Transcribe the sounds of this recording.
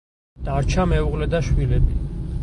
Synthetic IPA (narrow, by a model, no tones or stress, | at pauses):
d̪̥aɾt͡ʃʰamɛuqʼlɛd̪aʃwilɛbi